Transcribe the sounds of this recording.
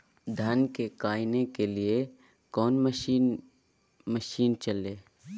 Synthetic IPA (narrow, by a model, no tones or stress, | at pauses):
d̪ʱənkekaːɪnekelie | kɔːni | məʃiːnt͡ʃɐleː